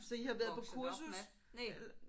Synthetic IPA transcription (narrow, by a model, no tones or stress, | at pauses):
sɒ̽ihɑ̈ʋæːɐðˠpʰɒ̽kʰuɐsn̩